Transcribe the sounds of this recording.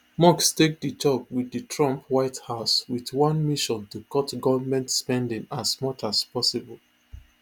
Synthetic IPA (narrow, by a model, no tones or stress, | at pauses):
mɔkstek̚dit͡ʃɔkwidɨtʰɹɔ̃mpwaɪthaʊswiθwʌ̃nmiʃɔ̃ntukɔtɡɔvmɛ̃ntspɛ̃ndĩŋasmʌt͡ʃaspɔsibɔl